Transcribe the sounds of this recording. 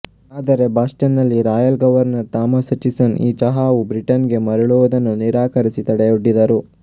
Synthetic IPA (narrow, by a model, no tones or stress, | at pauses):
aːd̪ɐɾe̞baːsʈɐnːɐlːiɾaːjɐlɡɐʋɐɾnɐɾt̪aːmɐsɐt͡ʃisɐniːt͡ʃɐɦaːʋubɾiʈɐnɡe̞mɐɾɐɭuʋud̪ɐnːuniɾaːkɐɾisit̪ɐɽejuɖːid̪ɐɾu